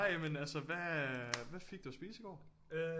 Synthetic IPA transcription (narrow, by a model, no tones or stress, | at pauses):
ɑɪɛmənælsəʋæʋæfeɡ̥̚d̥uæsb̥iːsiɡ̥ɒ̰ː | ø